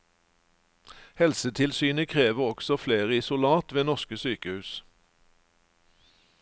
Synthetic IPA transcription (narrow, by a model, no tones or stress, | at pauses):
hɛlsət̪ʰɪlsyːnəkʰʁeːʋəɔɡ̥sɔfleːʁəɪsʊlɑːt̪ʋeːnɔʁʃkəsyːkəhʉːs